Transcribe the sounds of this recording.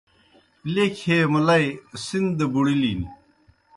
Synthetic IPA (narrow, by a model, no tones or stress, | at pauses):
lekʰeːmɐlɐisind̪ebuɽiliːni